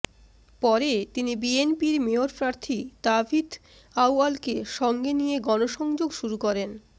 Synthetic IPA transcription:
pɔɾet̪inibienpiɾmeoɾpɾaɾt̪ʰit̪abʱit̪ | awalkeʃɔŋɡenijeɡɔnoʃɔŋd͡ʑoɡʃuɾukɔɾen

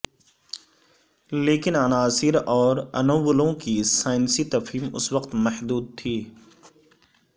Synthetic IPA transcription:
leːkɪnɐnaːsɪɾɔːɾɐ̰nəwːəlõkisaːɪnsit̪ɐfɦiːmʊ̰swəqt̪mɐhd̪uːd̪̚t̪ʰiː

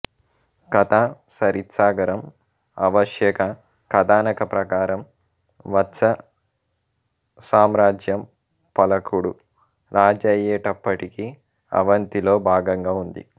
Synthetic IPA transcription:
kɐt̪ʰaːsɐɾit̪saːɡɐɾɐm | ɐʋɐʃjɛːkɐ | kɐd̪aːnɐkɐpɾɐkaːɾɐm | ʋɐtːsɐ | saːmɾaːd͡ʒjɐm | pɐlɐkuɽu | ɾaːd͡ʒɐjɛːʈɐpːɐʈiki | ɐ̰ʋɐnt̪ilo̞ːbʱaːɡɐŋɡaːund̪ḭ

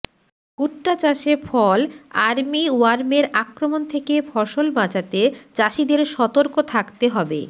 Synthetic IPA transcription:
kuʈːat͡ɕaʃefʰɔlaɾmiuaɾmeɾakɾomont̪ʰekebʰʱɔʃolmat͡ɕat̪et͡ɕaʃid̪eɾʃɔt̪oɾkot̪ʰakt̪eɦɔbḛ

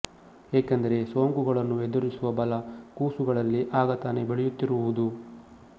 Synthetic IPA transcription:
ɦeːkɐnd̪ɐɾe̞so̞ːŋɡuɡɐɭɐnːued̪uɾisuʋɐbɐlɐkuːsuɡɐɭɐlːiʔaːɡɐt̪ane̞beɭɛjut̪ːiɾuʋud̪u

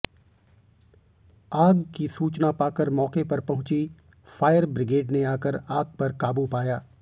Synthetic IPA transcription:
aːɡkisuːt͡ʃnapaːkəɾmɔːkepɐɾpɐɦʊ̃t͡ʃi | faːjəɾbɾɪɡeːɖneaːkəɾaːɡ̚pɐɾkaːbupaːjaː

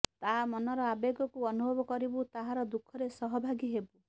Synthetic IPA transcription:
t̪amɔnɔɾɔabeɡɔkuɔnubʱɔbɔkɔɾibut̪aɦaɾɔd̪ukʰːɔɾesɔɦɔbʱaɡiɦebu

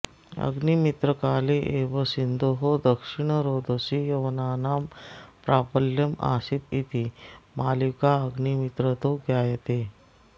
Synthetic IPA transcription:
ə̰ɡnimit̪ɾəkaːliʔeʋəsind̪oɦod̪əkʂiɳ̃əɾod̪ʱəsijəʋənaːnaːmpɾapəljəma̰sit̪it̪imalikaəɡnimit̪ɾət̪oɡjajet̪e

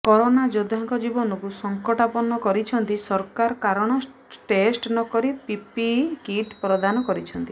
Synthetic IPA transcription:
kɔɾonad͡ʒod̪ʱaŋkɔd͡ʒibɔnɔkusɔŋkɔʈapɔnɔkɔɾit͡ʃʰɔnt̪isɔɾkaɾɔkaɾɔɽ̃ɔ | ʈesʈnɔkɔɾipipikiʈpɾɔd̪anɔkɔɾit͡ʃʰɔnt̪i

